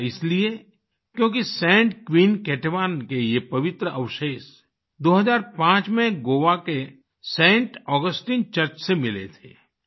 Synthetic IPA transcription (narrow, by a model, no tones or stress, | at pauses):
ɪslie | kjõːkisɛ̃ːɳʈkʋiːnkɛːʈeʋaːnkejepɐʋɪt̪ɾəʔɐʋʃeːʃ | d̪oːɦəzaːɾpãːt͡ʃmẽɡoːʋake | sɛ̃ːɳʈɔːɡəsʈiːnt͡ʃəɾt͡ʃsemɪlḛt̪ʰḛː